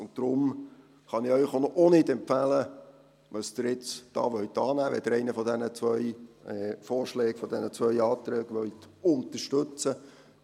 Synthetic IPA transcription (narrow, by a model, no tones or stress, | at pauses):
ʊntd̥ɾʊm | χɑnɪœʏχonɔʔonɪdɛmpfælə | ʋɑsd̥ɪɾjɪt͡sd̥ɑ̰ːʋœɥt̪ɑːnæːʋɛd̥̪əɾɛɪnəfɔd̪ɛnət͡sʋœʏɛːfɔːɾʃlɛːɡ̥fɔd̪ɛnət͡sʋœʏɑːt̪ɾɛːɡʋœɥt̪ʊnt̪əɾʃtɵt͡sə